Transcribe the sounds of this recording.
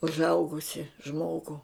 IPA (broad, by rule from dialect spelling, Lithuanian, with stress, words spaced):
ʊʒˈɐʊɡʊsʲɪ ˈʒmoːɡʊ